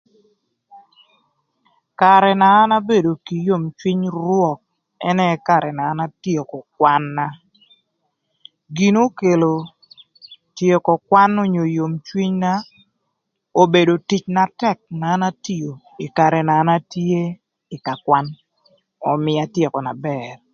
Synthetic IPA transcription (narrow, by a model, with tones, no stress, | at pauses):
ka˨ɾɛ˨naː˨˦na˦be˦˨do˨ki˨jo˦mt͡ʃwi˦ɲɾwɔ˦˨k̚ | ɛ˦nɛ˦ka˨ɾɛ˨naː˨˦na˦tje˨kɔ˨kwa˦nːa˦ | ɡi˨no˦ke˨lo˨ | tje˦kɔ˨kwa˦no˦ɲo˨jo˨mt͡ʃwi˦ɲna˦ | o˨be˨do˨ti˦t͡ʃna˨tɛ˦˨k̚naː˨˦na˦ti˦jo˨ | ɪ˨ka˨ɾɛ˨na˨˦na˦tje˦ | ɪ˨ka˨kwa˦n | ɔ˨mɪ˨a˨tje˨kɔ˨na˨bɛ˨r